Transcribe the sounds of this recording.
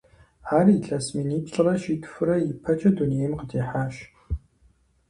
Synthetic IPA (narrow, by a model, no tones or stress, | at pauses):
aːriɬasminiːpɬʼɨrɐʃiːtʰfɨrɐjɪpʰɐt͡ʃʼɐdunijejmqədeːħaːʃ